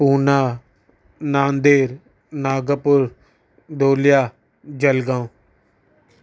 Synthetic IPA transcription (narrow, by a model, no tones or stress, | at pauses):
puːnaː | nãːnd̪eːɾ | naːɡəpʊɾ | d̪oːlɪjaː | d͡ʒəlɡãːõː